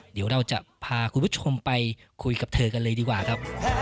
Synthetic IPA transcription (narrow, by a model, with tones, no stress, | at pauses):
di˩˦wɾa˧wt͡ɕa̰˨˩ʔpʰaː˧kʰu˧nbu˦˥t͡ɕʰo˧mpa˧j | kʰu˧jka˨˩p̚t̪ʰɤː˧ka˧nlɤː˧jdiː˧kwaː˨˩kʰa˦˥p̚